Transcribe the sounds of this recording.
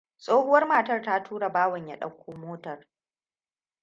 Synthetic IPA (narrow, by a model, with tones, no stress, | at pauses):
sʼoː˦hʊ˦wɐ˦rmaː˨tɐ˦rta˦tʰuː˦ɽa˨baː˦wɐ˨ɲja˦ɗɐ̰˦kʷːoː˦moː˦tɐ˨r